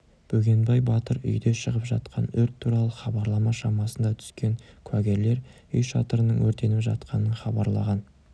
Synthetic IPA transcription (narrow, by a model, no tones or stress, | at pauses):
b̥ɵɡʲe̞nbɑjbɑt̪əɾʏ̰jd̪e̞ʃəʁəpʒɑ̰t̪qʰɑ̰nʏɾt̪ʰːuɾɑlˠəχɑbɑɾlˠɑmɑʃɑmɑsənd̪ɑt̪ʰʏ̥skʲe̞ŋkʰwæɡʲe̞ɾle̞ɾ | ʏjʃɑt̪əɾənəŋwɵɾt̪e̞nɪpʒɑ̰t̪qʰɑnəɴχɑbɑɾlˠɑ̰ʁɑn